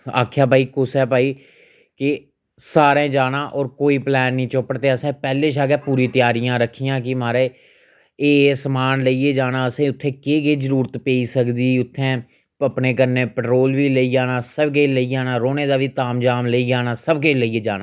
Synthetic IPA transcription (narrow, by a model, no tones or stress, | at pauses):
a̰ːkʰjaːbaːiːkʊsɛːpaːiː | kɪ | saːɾẽːd͡ʒaːnãːʔɔːɾkoːiːplɛːnːĩːt͡ʃʊpəɽt̪eːəsẽːpɛːleːʃ̬aːɡɛːpuːɾĩːt̪ɪjaːɾijãːɾəkʰːijãːkɪmaːɾeː | eːesəmaːnləieːd͡ʒaːnãːəsẽːʊt̪ʰːẽːkeːɡeːzəɾuːɾət̪peːiːsəkd̪iːʊt̪ʰːẽː | əpneːkəɾneːpəʈɾoːlʋiːleiːd͡ʒaːnaːsəbkeːləiːaːnaːɾoːneːd̪aːʋiːt̪aːmd͡ʒaːmleiːaːnaːsəbkeːləiːeːd͡ʒaːnãː